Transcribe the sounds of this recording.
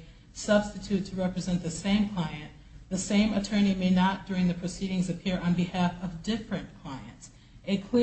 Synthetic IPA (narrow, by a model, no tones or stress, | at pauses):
sʌb̥stɨtʰʉtʰɨɹɛpɹɨzɛ̃nðɨsẽɪ̃mkʰl̥aɪɨ̃n | ðɨsẽɪ̃mɨtʰɜ̃˞ñimeɪnət̚d̥ʊɹɪ̃ŋðɨpʰɹ̥ɨsiɾɪ̃ŋzɨpʰɪɹʔə̃nbɨhæfʌvdɪfɹɨ̃nkʰl̥aɪɨ̃nts | ʔɨt̚kʰl̥ɪ